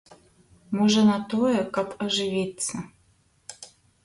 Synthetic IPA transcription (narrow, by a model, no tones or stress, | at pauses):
moʐɛnɐt̪ojɛkɐpɐʐɨvʲit̪sɐ